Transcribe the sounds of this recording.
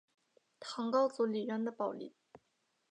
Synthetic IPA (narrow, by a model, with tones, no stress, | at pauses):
t̪ʰɑ˧˥ŋkɑ˥ʊt͡su˧˥li˨˩ɥɛ˧˥nd̪ə˧pɑ˨˩ʊlḭ˨˩˦